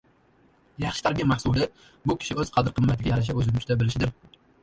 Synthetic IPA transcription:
jɑχʃɪ̥t̪ʰaɾɡʲɪmahsulˠd̪ɪ | bʊkʲʰɪ̥ʃɪɵz̥qʰɑd̪ɪɾqʰɨmːat̪ɪɡʲajaɾaʃ̬aɵzɪmɪt͡ʃɪd̪abɪlɪʃɪd̪ɪɾ

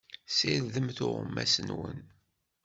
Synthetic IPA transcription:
sɪɾðəmθʊʁəmːæsənwə̰n

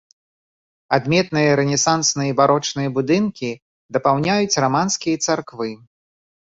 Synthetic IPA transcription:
ad̪mʲɛt̪nɨjɐɾɛnʲɛsansnɨjɐbaɾɔt͡ʂnɨjɐbud̪ɨnkʲi | d̪ɐpawnʲajut͡sʲramanskʲijɐt̪sarkvɨ

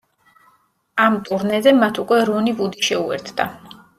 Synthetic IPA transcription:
amt̪ʼuɾnɛzɛmat̪ʰukʼwɛɾunivud̪iʃɛuɛ̰ɾt̪ʰd̪̥a̰

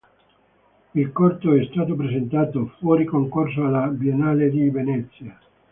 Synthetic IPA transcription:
ilkɔrt̪oɛst̪aːt̪̬opɾesent̪aːt̪ofwɔːɾikoŋkors̬oalabjenaːled̪ivenɛt̪sːja

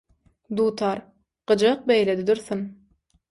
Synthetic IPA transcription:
d̪uːt̪ʰɑɾ | ɢ̥ɯd͡ʒɑq̚bejled̪id̪yɾθyn

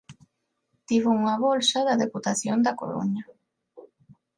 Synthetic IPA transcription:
t̪iβouŋɐβolsaðɐðeput̪aθjond̪ɐko̰ɾo̰ɲɐ

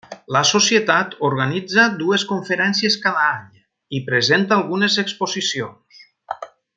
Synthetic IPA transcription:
ləsosjet̪at̪oɾɣanid͡zad̪ueskuɱfəɾɛnsijeskaðaaɲ | ipɾezent̪aːlˠɣunezekspozisions

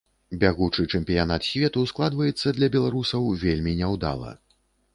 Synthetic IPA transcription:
bʲaɣut͡ʂɨt͡ʂɛmʲpʲijanat̪sʲvʲɛt̪usklˠad̪vɐjɛt̪sːɐd̪lʲɐbʲɛlˠaɾusɐwvʲelʲmʲinʲɛwd̪a̰lˠɐ̰

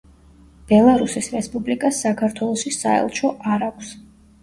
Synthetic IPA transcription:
b̥ɛlˠaɾusisɾɛspʼublikʼasːakʰaɾt̪ʰwɛlˠɔʃisaɛ̰lˠʃʰɔʔaɾakʷʰs

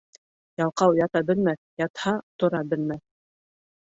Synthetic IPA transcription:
jɑlˠqɑwjɑt̪ɑbɘ̆lmæθjɑt̪hɑt̪ŏɾɑbɘ̆lmæθ

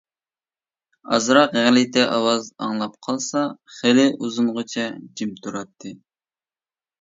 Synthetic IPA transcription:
ɑ̰zɾɑqæŋlɪt̪ʰɛʔɑwɑzɑ̰ŋlˠɑp̚qʰɑlˠsɑχelɪʔuzuɴʁʊt͡ʃʰɛd͡ʒimt̪ʰuɾɑt̪ʰːɨ

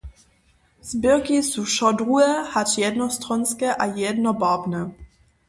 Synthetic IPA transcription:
z̥bɪkisuʃɔdʁuɛhatjɛdnɔst̪ʁɔnskɛʔajɛdnɔbabnɛ

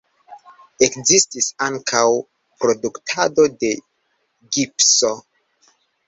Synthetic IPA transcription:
e̞kzistisaŋkʰaw | pɾo̞duktʰado̞de̞ | ɡipso

